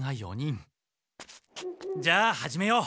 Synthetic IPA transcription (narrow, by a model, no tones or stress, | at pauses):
ŋɦajʌ̰ɲin | d͡ʑahad͡ʑimejo